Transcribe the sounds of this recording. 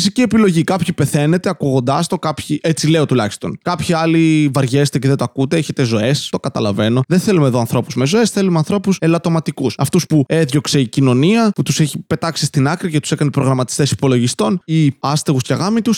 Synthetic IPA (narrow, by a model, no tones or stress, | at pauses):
fisicie̞pilo̞ʝikɐpçipe̞θe̞ne̞t̪e̞ɐkuɣo̞nd̪ɐst̪o̞kɐpçiʔet͡sile̞o̞t̪ulɐçist̪o̞nkɐpçiɐlivɐɾʝezet̪eceðet̪oɐkut̪eeçet̪e̞zo̞e̞st̪o̞kɐt̪ɐlɐve̞no̞ðenθe̞lumeðo̞ɐnθɾo̞puzme̞zo̞e̞sθe̞lumeɐnθɾo̞puse̞lɐt̪o̞mɐt̪ikusɐft̪uspueðʝo̞kse̞icino̞niɐput̪use̞çipe̞t̪ɐksist̪inɐkɾicet̪u̥se̞kɐnepɾo̞ɣɾɐmɐt̪i̥st̪e̞si̥po̞lo̞ʝist̪o̞niɐst̪e̞ɣusceɣɐmit̪us